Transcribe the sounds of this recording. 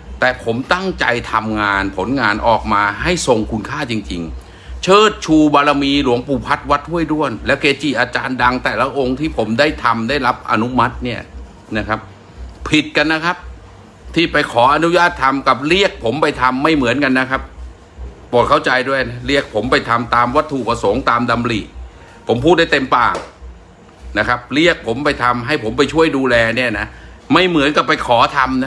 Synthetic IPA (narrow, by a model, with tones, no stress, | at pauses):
t̪ɛː˨˩pʰo˩˦mt̪a˥˩ŋt͡ɕa̰˧jt̪ʰa˧mŋaː˧npʰo˩˦nŋaː˧nʔɔː˨˩k̚maː˧ɦa˥˩jso˧ŋkʰu˧nkʰaː˥˩t͡ɕi˧ŋt͡ɕi˧ŋ | t͡ɕʰɤː˥˩t̪̚t͡ɕʰuː˧baː˧ɾa˧miː˧lu˩˦əŋpuː˨˩pʰa˦˥t̪̚wa˦˥t̪̚ʰːu˥˩əjdu˥˩ənlɛ˦˥wkeː˧t͡ɕiː˨˩ʔaː˧t͡ɕaː˧nda˧ŋt̪ɛː˨˩la˦ʔo˧ŋt̪ʰiː˥˩pʰo˩˦mdaː˥˩jt̪ʰa˧mdaː˥˩jla˦˥p̚ʔa̰˧nu˦˥ma˦˥t̪̚ni˥˩ɐ | na˦˥kʰa˦˥p̚ | pʰi˨˩t̪̚ka˧nːa˦˥kʰa˦˥p̚ | t̪ʰiː˥˩pa˧jkʰɔː˩˦ʔa˧nu˦˥jaː˥˩t̪ʰːa˧mka˨˩p̚ɾi˥˩ək̚pʰo˩˦mpa˧jt̪ʰa˧mːa˥˩jmɯ˨˩˦ənka˧nːa˦˥kʰa˦˥p̚ | pu˨˩t̚kʰa˥˩wt͡ɕa˧jdu˥˩əjna˦˥ɾi˥˩ək̚pʰo˩˦mpa˧jt̪ʰa˧mt̪aː˧mwa˦˥t̪ʰːu˨˩pʰa˧so˩˦ŋt̪aː˧mda˧mliː˨˩ | pʰo˩˦mpʰuː˥˩da˥˩t̪e˧mpaː˨˩ŋ | na˦˥kʰa˦˥p̚ɾi˥˩ək̚pʰo˩˦mpa˧jt̪ʰa˧mɦa˥˩jpʰo˩˦mp̬a˧jt͡ɕʰu˥˩əjduː˧lɛː˧ni˥˩ɐna˦˥ | ma˥˩jmɯ˨˩˦ənka˨˩pa˧jkʰɔː˩˦t̪ʰa˧mna˦˥